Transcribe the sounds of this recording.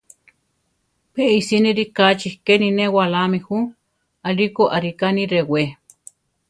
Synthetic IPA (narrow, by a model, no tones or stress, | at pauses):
peisiniɾikat͡ʃihkeninewalamehu | alikoʔaɾikaniɾewe